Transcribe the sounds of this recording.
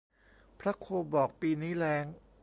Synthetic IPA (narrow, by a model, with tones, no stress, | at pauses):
pʰɾa˦˥kʰoː˧bɔː˨˩k̚piː˧niː˦˥lɛː˦˥ŋ